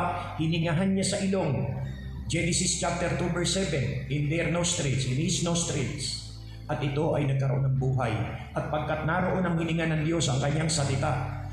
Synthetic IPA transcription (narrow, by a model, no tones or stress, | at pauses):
hɪnɪŋaɦanɲasɐʔɪlo̞ŋ | d͡ʒɛnɪsɪst͡ʃap̚t̪ɛɾt̪ubɛɹsɛvɛnʔɪnd̪ɛɾnost̪ɾɪlsɪnisnost̪ɾɪls | ʔɐt̪ɪt̪o̞ʔɐjnɐɡ̚kɐɾoʔo̞̰nɐŋbuːɦɐjʔɐt̪̚pɐɡ̚kat̪̚naɾo̞ʔo̞nɐŋhɪnɪŋanɐŋd̪jo̞sɐŋkɐɲːaŋsɐlɪt̪aʔ